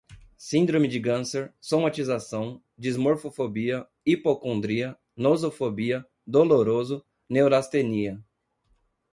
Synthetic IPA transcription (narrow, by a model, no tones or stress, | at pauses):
sĩnd̪ɾõmɪd͡ʒɪɡɐ̃seɾsomat͡ʃizasɐ̃w̃ | d͡ʒizmoɾfofobiɐ | ipokõnd̪ɾiɐ | nozofobiɐ | d̪oloɾozʊ | newɾast̪eniɐ